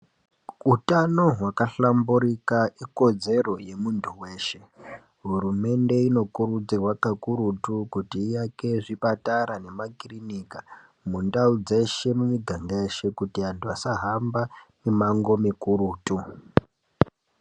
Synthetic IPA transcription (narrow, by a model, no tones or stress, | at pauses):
utano̞ɦwakaɬambuɾikaiko̞d͡ze̞ro̞je̞muntʰuwe̞ːʃe̞ | ɦuɾume̞nde̞ino̞kuɾud͡zirwakakuɾutukutiːjake̞ʐipataɾane̞makrinika | mundaud͡ze̞ʃe̞muɲiɡʱandaeʃe̞kutiantʰuasaɦambamimaŋɡo̞mikuɾuːtu